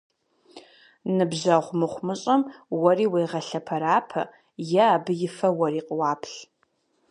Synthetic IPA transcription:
nɨbʑaʁʷmɨχʷmɨɕʼɐmwɐriːweːʁɐɬɐpʰɐɾaːpʰɐ̰ | jɛːbɨjɪfɐwɐriːqʼwɑːpʰɬ

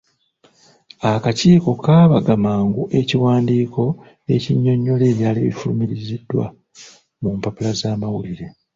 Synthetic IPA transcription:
akaciːko̞kaːβaɡamaːŋɡuʔe̞ciwaːndiːko̞ | e̞ciɲːo̞ɲːo̞le̞ːβjaːliβḭfulumiɾizidːwa̰ | mumpapulazaːmawuliɾe̞

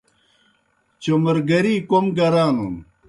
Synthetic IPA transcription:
t͡ɕomɐɾɡɐɾiːkomɡɐɾaːnun

